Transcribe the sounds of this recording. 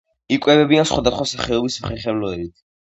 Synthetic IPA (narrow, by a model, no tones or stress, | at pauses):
ikʼwɛvɛbiansχwad̪asχwasaχɛɔbismχɛχɛvlɔɛɾit̪ʰ